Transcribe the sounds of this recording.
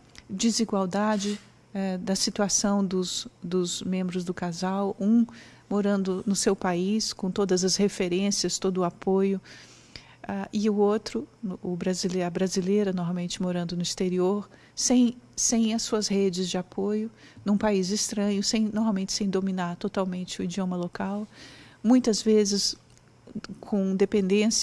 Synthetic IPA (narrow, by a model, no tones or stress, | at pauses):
d͡ʒiziɡwawd̪ad͡ʒɪ | ɛd̪ɐsit̪uasɐ̃w̃d̪ʊsd̪ʊzmẽmbɾʊzd̪ʊkazawũ | moɾɐ̃nd̪ʊnʊsewpaiskõt̪od̪ɐzɐshefeɾẽsiɐst̪od̪ʊapojʊ | aʔɪʊot̪ɾʊʊbɾazileɐbɾazilejɾɐnoɾmawmẽnt͡ʃɪmoɾɐ̃nd̪ʊnʊist̪eɾioɾ | sẽj̃sẽj̃ɐsːuɐshed͡ʒɪzd͡ʒɪapojʊ | nũpaizɪst̪ɾɐ̃ɲʊsẽj̃noɾmawmẽnt͡ʃɪ̥sẽj̃d̪ominaɾt̪ot̪awmẽnt͡ʃɪʊid͡ʒiõmɐlokawmũj̃t̪ɐzvezɪs | kʰõd̪epẽnd̪ẽs